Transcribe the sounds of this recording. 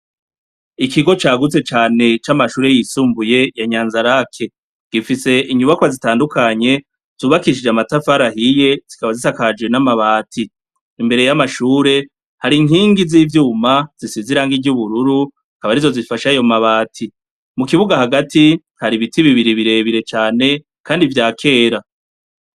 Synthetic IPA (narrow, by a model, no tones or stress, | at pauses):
ikiɡo̞t͡ʃaːɡut͡se̞t͡ʃaːne̞t͡ʃamaʃuːɾe̞jisuːmbuje̞jaɲaːnzaɾakʰe̞ | ɡ̥ifise̞iɲuβakwazitaːndukaɲe̞ | z̥uːβakiʃid͡ʒamatafaɾahije̞z̥ikaβazitakad͡ʒɡwe̞namaβaːtʰiː | mbe̞ɾe̞jamaʃuːɾe̞ | haɾiŋɦiːŋɡiziːvjuːmaz̥isiziɾaːŋɡiɟuβuɾuɾu | akaβaɾizo̞zifaʃajo̞maβaːtʰi | mukiβuɡahaɡati | haɾiβitiβiβiɾiβiɾe̞βiɾe̞t͡ʃaːne̞ | kʰaːndivjaːkʰe̞ːɾa